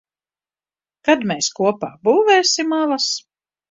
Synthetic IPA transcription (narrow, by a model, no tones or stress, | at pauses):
kad̪meːskuɔpa̰ːbuːvɛːsimalˠas